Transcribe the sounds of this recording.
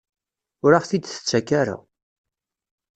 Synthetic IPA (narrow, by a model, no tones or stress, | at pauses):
ʊɾaʁθid̪θə̥t͡sːækːaɾa̰